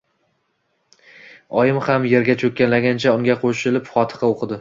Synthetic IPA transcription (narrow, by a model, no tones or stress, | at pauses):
ɒjɪmhamje̞ɾɡʲat͡ʃʰɵkʲːanlaɡʲant͡ʃʰaʊŋɡʲaqʰoʃɪlɪpχɒt̪ʰɨ̥qɑoqʰɨd̪ɪ